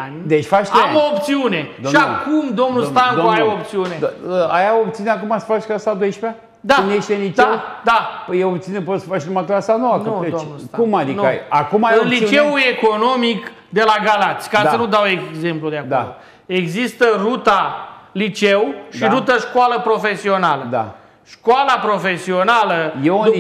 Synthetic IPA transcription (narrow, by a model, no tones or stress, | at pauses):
and̪et͡ʃʲfat͡ʃt̪eamoːpt̪siune̞d̪ʃakumd̪o̞mnust̪annuajoopt̪siuneəajaop̚t̪siuneakumasə̥fat͡ʃkasad̪ojʃpa | d̪anjeʃt̪enit͡ʃd̪ad̪apjewopt̪iunepot̪sə̥fat͡ʃnmat̪uasanowaəoed̪omukumad̪ina̰ja̰kumajɨonliut͡ʃeue̞ko̞no̞mik | d̪e̞laɡalat̪sʲkaənud̪awe̞ɡze̞mplud̪eak̪a̰lo | e̞ɡzist̪ərut̪alit͡ʃewʃiɾut̪əʃkwaləpɾo̞fe̞sio̞naləd̪a̰ | ʃkwalapɾo̞fe̞sio̞naləje